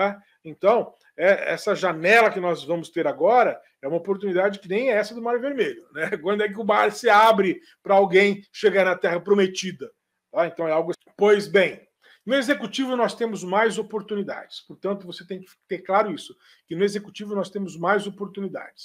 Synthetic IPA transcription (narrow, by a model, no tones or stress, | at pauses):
a | ẽnt̪ɐ̃w̃ | ɛɛ̰sɐʒanɛlɐkɪnɔzvɐ̃mʊst̪eɾaɡɔɾɐ | ɛũmɐopoɾt̪unid̪ad͡ʒɪkɪnẽj̃ɛɛsɐd̪ʊmaɾjʊveɾmeʎʊnɛkwɐ̃nd̪ʊɛk̬ɪʊbaɾsɪabɾɪ | pɾɐawɡẽj̃ʃeɡaɾnɐt̪ɛɦɐpɾomet͡ʃid̪ɐ | t̪aẽnt̪ɐ̃w̃ɛawɡʊ | pojzbẽj̃ | nʊezekut͡ʃivʊnɔst̪ẽmʊzmajzopoɾt̪unid̪a̰d͡ʒɪspoɾt̪ɐ̃nt̪ʊvoset̪ẽj̃kɪ̥ft̪eɾklaɾʊisʊ̥ | kɪnʊezeku̥t͡ʃivʊnɔst̪ẽmʊzmajzopoɾt̪unid̪a̰d͡ʒɪs